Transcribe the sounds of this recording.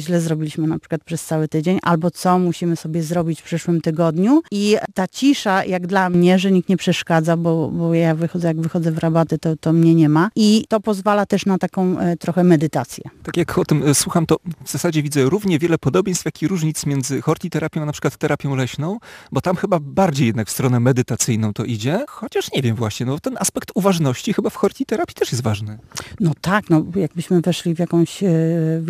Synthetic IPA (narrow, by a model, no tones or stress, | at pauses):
ʑlɛzɾɔbʲilʲiɕmɘnapʂɘ̥kwat̪pʂɛst̪sawɘt̪ɘd͡ʑeɲʔa̰lbɔt̪sɔmuɕimɘsɔbʲjɛzɾɔbʲit͡ɕfpʂɘʂwɘmt̪ɘɡɔd̪ɲuit̪at͡ɕiʂajʔaɡd̪lamɲɛʐɛɲikt̪ɲɛpʂɛʂkad̪zabɔbɔjavɘxɔd̪zɛjaɡvɘxɔd̪zɛvɾabat̪ɛt̪ɔt̪ɔmɲɛɲɛmait̪ɔpɔzvalat̪ɛʂnat̪akɔ̃w̃t̪ɾɔxɛmɛd̪ɘt̪at̪sʲjɛ̰t̪akʲjakɔt̪ɘmswuxamt̪ɔvzasad͡ʑɛvʲidzɛɾuvɲɛvʲjɛlɛpɔd̪ɔbʲjẽjst̪fʲjakʲiɾuʐɲit̪smʲjɛnd̪zɘxɔɾt̪ʲit̪ɛɾapʲjɔ̃anpʂɘkwat̪ːɛɾapʲjɔ̃w̃lɛɕnɔ̃w̃bɔt̪amxɘbabaɾd͡ʑejɛd̪nakfst̪ɾɔnɛmɛd̪ɘt̪at̪sɘjnɔ̃w̃t̪ɔʔid͡ʑɛxɔt͡ɕaʂɲɛvʲjɛmvwaɕɲɛnɔbɔt̪ɛnʔaspɛkt̪uvaʐnɔɕt͡ɕixɘbafxɔɾt̪ʲit̪ɛɾapʲjit̪ɛʂjɛst̪vaʐnɘnɔt̪aknɔjaɡ̚bɘɕmɘvɛʂlʲivʲjakɔ̃w̃ɕ